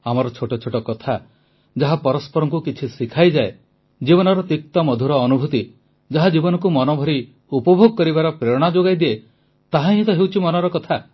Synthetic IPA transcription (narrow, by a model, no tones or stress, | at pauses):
amɔɾɔt͡ʃʰoʈɔt͡ʃʰoʈɔkɔt̪ʰa | d͡ʒaɦapɔɾɔspɔɾɔŋkukit͡ʃʰisikʰajd͡ʒae | d͡ʒibɔnɔɾɔt̪ik̚t̪ɔmɔd̪ʱuɾɔːnubʱut̪i | d͡ʒaɦad͡ʒibɔnɔ̃k̬umɔnɔbʱɔɾi | upɔbʱoɡɔkɔɾibaɾɔpɾeɾɔɽ̃ad͡ʒoɡajd̪ie | t̪aɦãit̪ɔɦewt͡ʃʰimɔnɔɾɔkɔt̪ʰa